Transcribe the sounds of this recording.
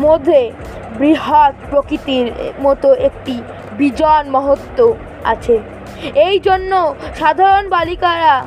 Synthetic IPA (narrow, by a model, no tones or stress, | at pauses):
mod̪ʱe | bɾiɦak̚pɾokɾit̪iɾmɔt̪oek̚ʈi | bid͡ʑɔnmɔɦot̪ːo | a̰t͡ɕʰe | ejd͡ʑonːoʃad̪ʱaɾonbalikaɾa